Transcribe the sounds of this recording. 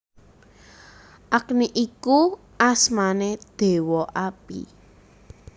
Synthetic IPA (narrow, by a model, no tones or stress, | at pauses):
ʔakniʔiku | asmaned̪̥e̤wɔʔapḭ